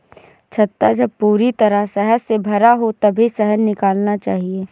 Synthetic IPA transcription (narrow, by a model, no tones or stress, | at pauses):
t͡ʃʰɐt̪ːad͡ʒɐb̚puːɾit̪ɐɾəɦsɛɦəɾsebʱɐɾaɦot̪ɐbʱisɛɦənːɪkaːlnat͡ʃaːɦieː